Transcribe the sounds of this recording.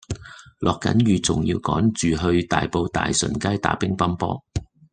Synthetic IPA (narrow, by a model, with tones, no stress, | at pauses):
lʔɔː˨kːɐ̰˨˥njyː˨˧t͡sʊ˨ŋjiː˧wkɔː˨˥ŋt͡ʃyː˨ɦɵ˧ɥt̪aː˨jpo˧wt̪a̰ː˨jsɵ̰˨˩nkaː˥jt̪a̰ː˨˥pɪ˥ŋpɐ˥mpɔ̰ː˥